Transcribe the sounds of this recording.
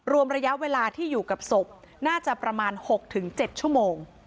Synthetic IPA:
ɾu˧əmɾa˧ja˦˥ʔweː˧laː˧t̪ʰiː˥˩juː˨˩ka˨˩p̚so˨˩p̚ | naː˥˩t͡ɕa˨˩pɾa˧maː˧nho˨˩k̚t̪ʰɯ˩˦ŋt͡ɕe˨˩t̪̚t͡ɕʰu˥˩əmoː˧ŋ

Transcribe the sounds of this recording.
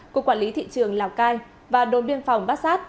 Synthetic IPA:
ku˧˩əkwaː˧˩nli˨˦t̪ʰḭ˧˨t͡ɕɨ˨˩əŋlaː˨˩wkaː˧j | vaː˨˩ɗo˨˦nɓi˧ənfa˨˩wŋ͡mɓaː˦˥t̚saː˦˥t̚

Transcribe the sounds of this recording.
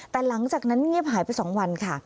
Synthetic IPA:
t̪ɛː˨˩la˩˦ŋt͡ɕaː˨˩k̚na˦˥nɲi˥˩əp̚ɦaː˨˩˦jpa˧jsɔː˩˦ŋwa˧nkʰa˥˩

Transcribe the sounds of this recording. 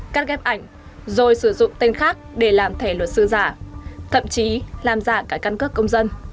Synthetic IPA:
kaː˦˥k̚ɣɛ˦˥p̚ʔa˧˩jŋ̟ | zo˨˩jsɨ˧˩zʊ̰˧˨ŋ͡mt̪e˧nxaː˦˥k̚ɗe˧˩laː˨˩mt̪ʰe˧˩lwə˨˩t̚sɨ̰˧zaː˧˩t̪ʰə̰˧˨mt͡ɕi˨˦laː˨˩mzaː˧˩kaː˨˦˥kːa˧nkɨ˦˥əkːə˧wŋ͡mzə˧n

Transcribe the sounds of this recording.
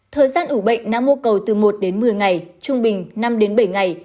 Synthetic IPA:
t̪ʰəː˨˩jzaː˧nʔu˧˩ɓə̰˧˨jŋ̟naː˨˧˥mu˧əkə˨˩wt̪ɨ˨˩mo˨˩t̚ɗe˨˦nmɨ˨˩əjŋa˨˩jt͡ɕʊ˧ŋ͡mɓï˨˩ŋ̟na˧mɗe˨˦nɓə˧˩jŋa˨˩j

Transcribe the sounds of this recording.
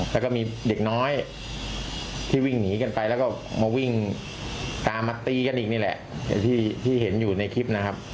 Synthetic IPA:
lɛː˦˥wkɔ˥˩miː˧de˨˩k̚nɔː˦˥j | t̪ʰiː˥˩wi˥˩ŋniː˩˦ka˧npa˧jlɛː˦˥wkɔː˥˩ | maː˧wi˥˩ŋ | t̪aː˧maː˧t̪iː˧ka˧nʔiː˨˩k̚niː˥˩lɛ̰˨˩ʔa̰˨˩t̪ʰiː˥˩t̪ʰiː˥˩ɦe˩˦njuː˨˩na˧jkʰi˦˥p̚na˦˥kʰa˦˥p̚

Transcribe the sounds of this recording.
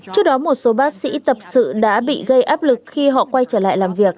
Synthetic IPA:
t͡ɕɨ˦˥ək̚ɗɔ˨˦mo˨˩t̚so˨˦ɓaː˦˥k̚sḭ˧˥t̪ə˨˩p̚sɨ̰˧˨ɗa̰ː˧˥ɓḭ˧˨ɣə˧jʔaː˦˥p̚lɨ˨˩k̚xi˧ɦɔ̰˧˨kwa˧jt͡ɕəː˧˩la̰ː˧˨jlaː˨˩mvi˨˩ək̚

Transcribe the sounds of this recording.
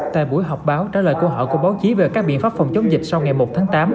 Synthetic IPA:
t̪a̰ː˧˨jɓu˧˩əjɦɔ˨˩wk͡p̚ɓaː˨˦wt͡ɕaː˧˩ləː˨˩jku˧əɦɔ̰˧˨ku˧˩əɓaː˨˦wt͡ɕi˨˦ve˨˩kaː˦˥k̚ɓḭ˧˨ənfaː˦˥p̚fɔ˨˩ŋ͡mt͡ɕə˨˦wŋ͡mzï˨˩k̟̚sa˧wŋa˨˩jmo˨˩t̚t̪ʰaː˨˦ŋt̪aː˨˦m

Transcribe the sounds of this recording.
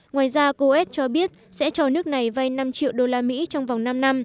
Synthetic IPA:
ŋwaː˨˩jzaː˧ko˧ʔɛ˦˥t̚t͡ɕɔ˧ɓi˦˥ət̚sɛ̰˧˥t͡ɕɔ˨˩nɨ˦˥ək̚na˨˩jva˧jna˧mt͡ɕḭ˧˨əwɗo˧laː˧mḭ˧˥t͡ɕɔ˧wŋ͡mva˨˩wŋ͡mna˧mna˧m

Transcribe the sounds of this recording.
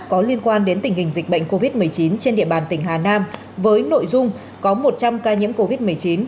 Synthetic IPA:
kɔ˨˦li˧ənkwaː˧nɗe˨˦nt̪ï˧˩ŋ̟hï˨˩ŋ̟zï˨˩k̟̚ɓə̰˧˨jŋ̟ko˧vi˦˥t̚mɨ˨˩əjt͡ɕi˨˦nt͡ɕe˧nɗḭ˧˨əɓaː˨˩nt̪ï˧˩ŋɦaː˨˩naː˧m | vəː˨˦jno̰˧˨jzʊ˧ŋ͡m | kɔ˨˦mo˨˩t̚t͡ɕa˧mkaː˧ɲḭ˧˥əmko˧vi˦˥t̚mɨ˨˩əjt͡ɕi˨˦n

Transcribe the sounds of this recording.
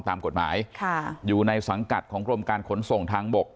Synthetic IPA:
ŋt̪aː˧mko˨˩t̪̚ma̰ː˩˦˥jkʰa˥˩juː˨˩na˧jsa˩˦ŋka˨˩t̪̚kʰɔː˩˦ŋɾu˧əmkaː˧nkʰo˩˦nso˨˩ŋt̪ʰaː˧ŋbo˨˩k̚

